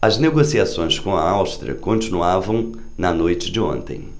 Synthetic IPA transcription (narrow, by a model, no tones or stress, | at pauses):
ɐzneɡosiasõj̃skõɐ̰awst̪ɾʲḭɐ̰kõnt͡ʃinuavɐ̃w̃ | nɐnojt͡ʃɪd͡ʒɪõ̰nt̪ḛ̃j̃